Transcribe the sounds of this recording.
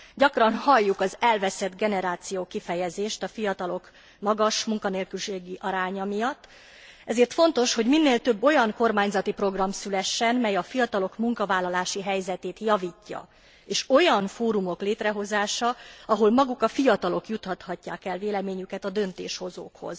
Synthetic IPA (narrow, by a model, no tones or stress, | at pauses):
ɟɒkrɒnhɒjːukɒzɛlvɛsɛd̪ɡɛnɛɾaːt̪sijoːkifɛjɛzeːʃt̪ɒfijɒt̪ɒlo̞k | mɒɡɒʃmuŋkɒneːlkylʃeːɡiʔɒɾaːɲɒmijɒt̪ː | ɛzeːrt̪fo̞nt̪o̞ʃho̞ɟminːeːlt̪øbːo̞jɒŋko̞rmaːɲzɒt̪ipro̞ɡrɒmsylɛʃːɛnmɛjɒfijɒt̪ɒlo̞kmuŋkɒvaːlːɒlaːʃiɦɛjzɛt̪eːt̪jɒviːcːɒ̰ | eːʃo̞jɒnfoːɾumo̞kleːt̪rɛɦo̞zaːʃɒɒɦo̞lmɒɡukɒfijɒt̪ɒlo̞kjut̪hɒt̪hɒcːaːkɛlveːlɛmeːɲykɛt̪ɒd̪ø̞nt̪ḛːʃho̞zo̰ːkho̞̰z̥